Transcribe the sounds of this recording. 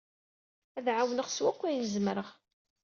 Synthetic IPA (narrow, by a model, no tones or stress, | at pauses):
æðʕawnəʁswækʷːæjnəzmɾəʁ